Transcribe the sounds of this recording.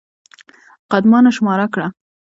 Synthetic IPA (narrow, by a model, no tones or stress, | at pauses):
qad̪mɑnaʃmɑɾakɽa